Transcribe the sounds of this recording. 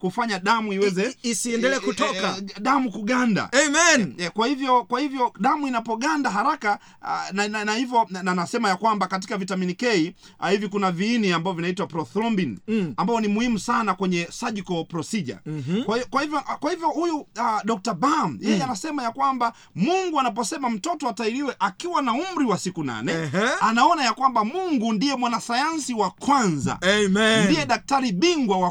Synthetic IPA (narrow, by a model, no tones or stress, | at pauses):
kufaɲaɗamuiwɛzɛisiɛndɛlɛːkutɔkaɗamukuɡanda̰ɛmɛnkwahivjɔkwahivjɔɗamuinapɔɠandaɦaɾaka | naanahivjɔanasɛmajakwambakat̬ikavitaminikɛi | hivikunaviːniambavɔvinaitwapɾɔθɾɔmbinambaɔnimuhimusanakwɛɲɛsaʄikɔpɾɔsiʄa̰kwaivjɔkwahivjɔhujuaɗɔk̚tabam̩jɛjɛanasɛmajakwamba | muŋɡuanap̬ɔsɛmam̩tɔtɔataiɾiwɛʔakiwanaum̩ɾiwasikuna̰nɛanaɔnajakwambamuŋɡundijɛmwanasajansiwakwanza̰ndijɛɗak̚taɾiɓiŋɡwawa